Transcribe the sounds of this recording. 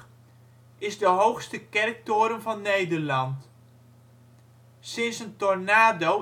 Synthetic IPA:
ɪzdəɦowxstəkɛrk̚toːɾəmvɑnːejdərlɑnt | sɪnsəntɔrnaːdo

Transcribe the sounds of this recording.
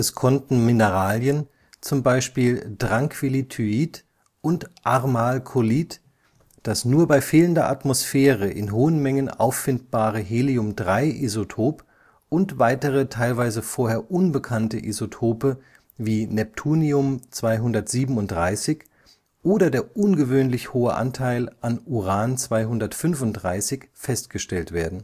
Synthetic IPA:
ɛskʰɔntn̩mɪnəʁaːljən | t͡sʊmbaɪʃpiːldʁaŋkv̥ilitʰyiːt | ʔʊntʔaʁmaːlkʰoliːt | d̥asnuːɐbaɪfeːləndɐʔa̰tmosfɛːʁəʔɪ̰nɦoːənmɛŋənʔa̰ʊfːɪnt̚b̥aːʁəɦeːliʊmdʁaɪʔezotʰoːp | ʊntv̥aɪtəʁətʰaɪlvaɪzəfoːɐheːɐʔʊnbəkʰantəʔizotʰoːpə | viːnɛp̚tʰuːniʊmt͡sv̥aɪɦʊndɐtz̥iːbm̩ʊntd̥ʁaɪsɪç | ʔoːdɐdeːɐʔʊnɡəvøːnlɪçhoːə̰ʔa̰ntʰaɪlʔanuʁaːnt͡sv̥aɪɦʊndɐtfʏnfʊnt̚dʁaɪsɪçfɛstɡ̥əʃtɛltv̥eːɐdn̩

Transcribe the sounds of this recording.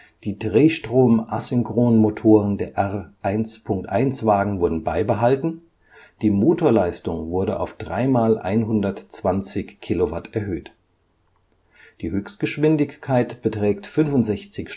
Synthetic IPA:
d̥iːdʁeːʃtʁ̥oːmʔasʏŋkʁ̥oːnmotʰoːʁəndeːɐʔɛʁʔaɪnspʰʊŋk̚tʔa̰ɪnsv̥aːɡŋ̩vʊɐdn̩baɪbəɦaltn̩ | d̥iːmoːtʰoːɐlaɪstʊŋvʊɐɾəʔa̰ʊfd̥ʁa̰ɪmaːlʔa̰ɪnɦʊndɐtt͡sv̥ant͡sɪçkʰːilovatʰɛɐɦøːt | d̥iːhøːçst̚ɡ̥əʃv̥ɪndɪçkʰaɪtb̥ətʁ̥ɛːk̚tfʏnfʊntz̥ɛçt͡sɪçʃ

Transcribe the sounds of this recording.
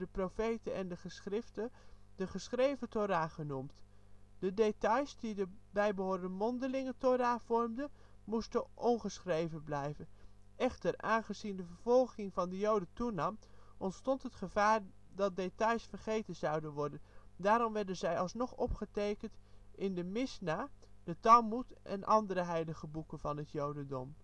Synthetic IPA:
dəprofejtənʔɛndəχəsχrɪftəd̥əχəsχrejvətoːɾaːχənumt | d̥ədetɑjsdidəbɛjbəɦʊːɹdəmɔndəlɪŋətoraːv̥ɔɹmdə | mustəʔɔnχəsχrejvənblɛjvən | ɛχtəraːnχəzindəvəɹv̥ɔlˠχɪŋvɑndəjowdətunɑmʔɔntstɔntɦətχəvaːɹ | dɑt̚detɑjsfərχejtənzɑwdənʋɔɹdəndaːɾɔmʋɛɹdənzɛjɑlˠsnɔχɔpχətejkəntʔɪndəmɪsnaːd̥ətɑmutʔɛ̰nʔɑndəɾəɦɛjləχəbukənvɑnɦətjowdəndɔm

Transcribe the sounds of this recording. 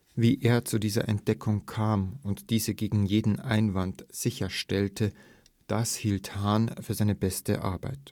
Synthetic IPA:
viːʔeːɐt͡sudiːzɐ̰ʔɛ̰nt̚d̥ɛkʰʊŋkʰaːmʊntd̥iːzəɡeːɡŋ̩jeːdn̩ʔaɪnvantz̥ɪçɐʃtɛltə | d̥ashiːlthaːnfyːɐzaɪnəbɛstə̰ʔa̰ɐba̰ɪt

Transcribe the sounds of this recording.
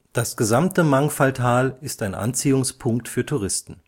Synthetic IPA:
d̥asɡ̥əzamtəmaŋfaltʰaːlɪstaɪnʔa̰nt͡siːʊŋspʰʊŋk̚tfyːɐtʰuʁɪstn̩

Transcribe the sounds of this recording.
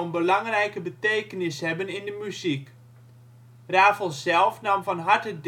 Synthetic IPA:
ənbəlɑŋrɛjkəbətejkənɪshɛbənɪndəmyzik | raːvəlˠsɛlˠfnɑmfɔnɦaɹtəd

